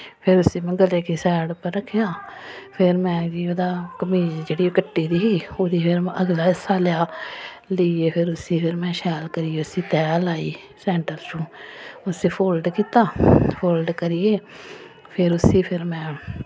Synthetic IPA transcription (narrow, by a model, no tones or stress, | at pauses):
pʰɪɾʊsiːmɛ̃ːɡəleːkiːsɛːɽpəɾːəkʰːjaː | pʰɪɾmɛ̃ːd͡ʒiːoːd̪aːkəmiːd͡ʒd͡ʒeːɽiːkəʈːiːd̪iːɦiːoːd̪iːpʰɪɾəɡlaːɪsaːljaː | ləieːpʰɪɾʊsiːpʰɪɾmɛ̃ːʃɛːlkəɾijeːʊsiːt̪ɛːlaːiː | sɛ̃ːɳʈəɾsũːʊsiːpʰoːlɖkiːt̪aːpʰoːlɖkəɾiːeː | pʰɪɾʊsiːpʰɪɾmɛ̃ː